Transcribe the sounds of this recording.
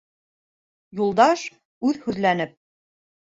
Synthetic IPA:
julˠd̪ɑʃ | ʉðhʉðlænɘp̚

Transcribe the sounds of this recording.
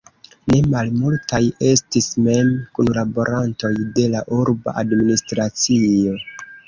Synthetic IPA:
ne̞malmultaje̞stisme̞mkunlabo̞ɾʔanto̞jde̞laʔuɾba̰ʔadministɾat͡sio̞

